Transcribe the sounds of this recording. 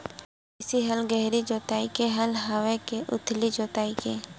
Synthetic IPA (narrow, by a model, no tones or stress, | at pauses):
ɪsiɦəlɡɛɦɾid͡ʒoːt̪aːikeɦəlɦawekeʔʊ̰t̪ʰlid͡ʒoːt̪aːikeː